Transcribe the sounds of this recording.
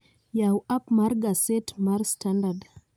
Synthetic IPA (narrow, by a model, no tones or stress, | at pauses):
jawapmaɾɡasetmaɾstʰandad